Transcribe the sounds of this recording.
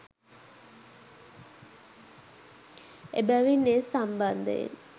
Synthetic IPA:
ebæʋinːesamband̪ə̰ḛ

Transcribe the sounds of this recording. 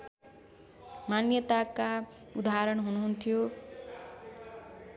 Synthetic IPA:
manjʌt̪aka | ud̪aɾʌɳɦunuɦunt̪ʰijo

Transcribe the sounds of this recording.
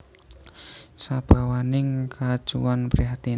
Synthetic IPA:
sab̥a̤wanɪŋkʰḁʒ̥uanpɾiɦat̪i

